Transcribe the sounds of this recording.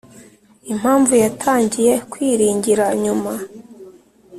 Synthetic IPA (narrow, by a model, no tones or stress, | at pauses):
im̥haːɱvujatʰaːɲɟije̞kwiːɾiːɲɟiɾaɲuma